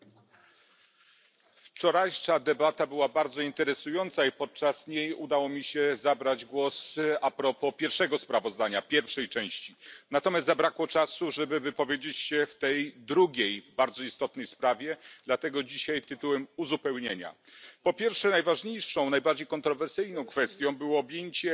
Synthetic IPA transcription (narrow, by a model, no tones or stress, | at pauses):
ft͡ʂɔɾajʂad̪ɛbat̪abɘwabaɾd̪zɔint̪ɛɾɛsujɔnt̪saipɔt̪̚t͡ʂasɲejud̪awɔmʲiɕɛzabɾad͡ʑɡwɔsapɾɔpɔpʲjɛɾfʂɛɡɔspɾavɔzd̪aɲapʲjɛɾfʂɛjt͡ʂɛ̃w̃ɕt͡ɕinat̪ɔmʲjast̪zabɾakwɔt͡ʂasuʐɛbɘvɘpɔvʲjed͡ʑet͡ɕɕɛft̪ɛjd̪ɾuɡʲejbaɾd̪zɔist̪ɔt̪nɛjspɾavʲjɛd̪lat̪ɛɡɔd͡ʑiɕajt̪ɘt̪uwɛmuzupɛwɲeɲa̰ | pɔpʲjɛɾfʂɛnajvaʐɲejʂɔ̃w̃najbaɾd͡ʑejkɔnt̪ɾɔvɛɾsɘjnɔ̃w̃kfɛst̪ʲjɔ̃w̃bɘwɔːbʲjeɲt͡ɕɛ